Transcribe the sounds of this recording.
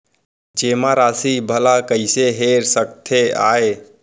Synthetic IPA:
d͡ʒeːmãɾaːsibʱəlakəɪseɦeːɾsəkt̪ʰeaːe

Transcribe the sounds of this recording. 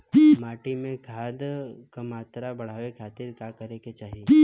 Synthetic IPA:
maːʈimẽɡʱaːd̪kamaːt̪ɾabɐɽ̤aːʋekʰaːt̪ɪɾkakəɾeket͡ʃaːɦie

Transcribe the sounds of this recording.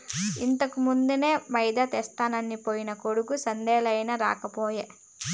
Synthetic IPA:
int̪ɐkumund̪une̞ːmɐjd̪ɐt̪ɛːst̪aːnɐnːipoːjinɐkoɽukusɐnd̪ɛːlɐjnɐɾa̰ːkɐpoːje

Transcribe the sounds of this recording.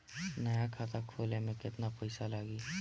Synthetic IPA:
nɐjakʰaːt̪akʰoːlemẽkɪt̪napɛɪsalaːɡiː

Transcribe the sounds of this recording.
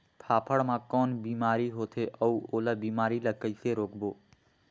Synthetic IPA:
t̪ʰaːpʰəɽmãkɔːnbiːmaːɾiɦoːt̪ʰeʔəuoːlabiːmaːɾiləkəɪseɾoːkboː

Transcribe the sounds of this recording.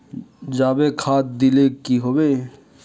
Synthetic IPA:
d͡ʒaːbekʰaːt̪̚d̪ilekiɦoːbeː

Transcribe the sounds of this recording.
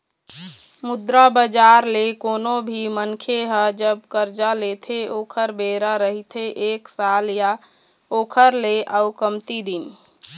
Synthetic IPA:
mud̪ɾabəd͡ʒaɾlekonobʱimənkʰeɦəd͡ʒəb̚kəɾd͡ʒalet̪ʰeʔoːkʰəɾbeɾaɾəɦit̪ʰeʔeksalja | okʰəɾleʔaʊkəmt̪id̪in

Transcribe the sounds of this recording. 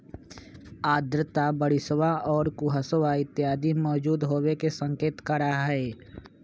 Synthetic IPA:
aːd̪ɾət̪abəɽɪswaʔɔːɾkʊɦəsəwaɪt̪jaːd̪imɔːd͡ʒuːd̪ɦoːwekesə̃ŋkeːt̪kəɾaɦɛː

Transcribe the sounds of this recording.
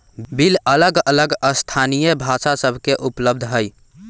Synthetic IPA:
bilələɡələɡəst̪ʰanijəbʱasasəbʱkeʔupləb̚d̪ʱɦəj

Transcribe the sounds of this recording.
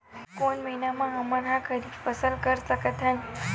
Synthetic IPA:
konməinamãɦəməɾɦãkʰəɾifəsəlkəɾtəket̪a

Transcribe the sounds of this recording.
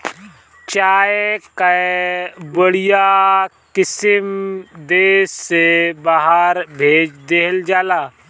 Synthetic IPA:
t͡ʃaːeka | bəɽija | kɪsɪmd̪eːsːebaɦaɾbʱeːd͡ʒd̪eːɦld͡ʒaːlaː

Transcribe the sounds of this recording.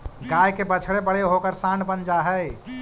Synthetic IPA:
ɡajkebət͡ʃʰɽebəɽ̤eɦokəɾsãɳɖbənd͡ʒaɦəj

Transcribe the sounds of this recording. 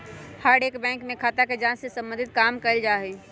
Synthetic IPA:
haːɾɖeːkbɛ̃ːŋkmẽkʰaːt̪aked͡ʒãːnsesə̃mbə̃nd̪ʱɪt̪̚kaːmkəɪld͡ʒaːɦe

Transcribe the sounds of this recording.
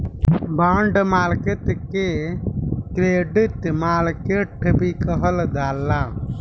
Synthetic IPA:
baːɳɖmaːlket̪ke | kɾeːɖit̪maːlkeːʈʰəbikəɦəld̪aːlːaː

